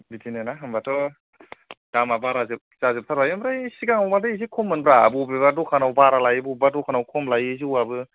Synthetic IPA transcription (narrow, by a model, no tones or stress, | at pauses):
bitʰinenaɦɯmbatʰɔ | d̥amabaɾazɯp̚zazip̚tʰaɾbajɯmbɾajsiɡaŋawbadɯizikʰɔmːɯnbɾabubebadɔkʰanawbaɾalajbubadɔkʰanawkʰɔmlajɯziwabɯ